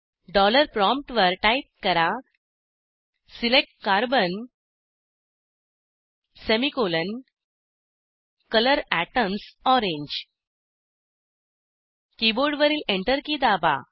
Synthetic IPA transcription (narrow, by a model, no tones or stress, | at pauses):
ɖɔləɾpɾɔ̃mp̚ʈʋəɾʈajp̚kəɾa | silek̚ʈ̚kaɾbən | semikolən | kələɾæʈəmsɔɾẽɲd͡ʑ | kiboɖʋəɾiːleɳʈəɾkiːd̪aba̰